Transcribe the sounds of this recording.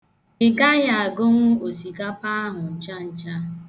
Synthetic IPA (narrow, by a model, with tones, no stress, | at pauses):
ɪ˦˨ɡa˦ja˨a˨ɡo˦ŋʷʊ˦o˨si˨ɡa˦pa˦a˦ɦʊ˨n̩˨t͡ʃa˦n̩˨t͡ʃa˦